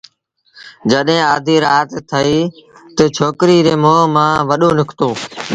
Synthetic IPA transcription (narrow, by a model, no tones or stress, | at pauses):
d͡ʒəɗɦːaːd̪ʱiːɾaːt̪t̪ʰəiːt̪ət͡ʃʰoːkɾiːɾeːmoːmãːʋəɗõːlʊkʰt̪oː